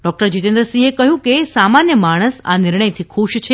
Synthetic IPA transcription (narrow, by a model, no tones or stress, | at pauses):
ɖɔk̚ʈəɾd͡ʒit̪ẽnd̪ɾəsiekəɦjũkesamanjəmaɽ̃əsa̰nɪɾɳəjt̪ʰikʰuʃt͡ʃʰe